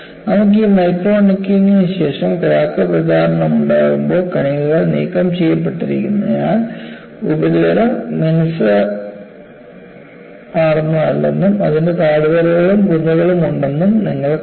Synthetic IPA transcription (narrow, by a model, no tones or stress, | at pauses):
nɐmuk̬ːimɐjkroːnikʲːiŋiɕe̞ːʂɐmkɐɾaːkːɐprɐd̪ʱaːɾɐɳɐmuɳɖaːɣumbo̞ːkɐɳiɣuɣɐɭnḭːkɐmt͡ɕejːɐp̬ːe̞ʈːiɾikʲːunːɐjaːn | ubɐɾiʋɐɾɐmːinɐsɐ | aːrnːɐɐlːenːumɐðinde̞t̪aːɽuʋɐɾɐɣɐɭumkuɲːɐɣɐɭumuɳɖe̞nːumniŋːɐɭ